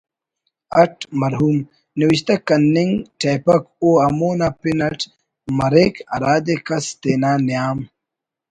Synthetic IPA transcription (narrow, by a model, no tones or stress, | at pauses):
ɐʈʰmɐɾɦuːm | niwiɕt̪ɐkɐnːiŋʈʰeːpɐkoːɐmoːnapinɐʈ | mɐɾeːkɐɾaːd̪ekɐst̪eːnaːnijaːm